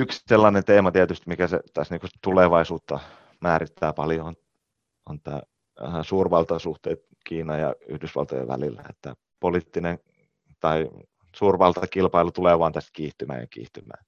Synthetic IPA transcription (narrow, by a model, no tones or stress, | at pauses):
yksselːɑnent̪eːmɑt̪iæt̪yst̪mikæsḛt̪æsniːŋkust̪uleʋɑisuːt̪ːɑ | mæːrit̪ʰːæːpɑljon | ont̪æ̰ː | suːrʋɑlt̪ɑsuht̪ḛːt̪ | kiːnɑjjɑ̰yhdysʋɑ̰lt̪o̰jḛʋæ̰lilːæ̰ḛt̪ːæ̰ | polit̪ːinen | t̪ɑi | suːrʋɑlt̪ɑkilpɑilut̪uleːʋɑːnt̪æst̪kiːht̪ymæ̰ːjɑ̰kḭːht̪ymæ̰ː